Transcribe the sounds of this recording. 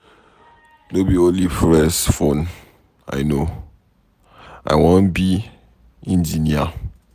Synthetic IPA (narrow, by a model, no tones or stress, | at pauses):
nobiõnlifɹɛsfõn | a̰ɪno | ʔa̰ɪwɔ̃nbi | ĩnd͡ʒinia